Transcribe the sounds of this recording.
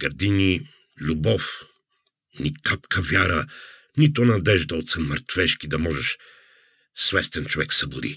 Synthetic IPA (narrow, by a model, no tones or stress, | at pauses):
ɡ̥ɐɾd̪ini | lʲubɔf | nikapkʰəvʲaɾə | nit̪ʊnɐd̪ɛʒd̪əot̪sɛməɾt̪vɛʃkid̪ɐmɔʒɛʃ | svɛst̪ɛnt͡ʃovɛksɐbʊd̪ḭ